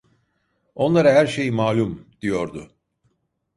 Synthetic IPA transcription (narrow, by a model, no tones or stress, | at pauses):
o̞nlˠaɾaɦæɾʃe̞jmaːlʲumd̪̥ijo̞ɾd̪ʊ